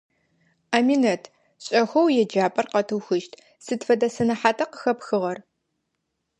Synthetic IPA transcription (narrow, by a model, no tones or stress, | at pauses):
aːminɐtʰ | ɕʼɐxʷɐwjɛd͡ʒaːpʼɐrqɐtʰɨwxɨʃtʰ | sɨtfɐdɐsɐnɐħaːtʰɐqə̥xɐpxɨʁɐr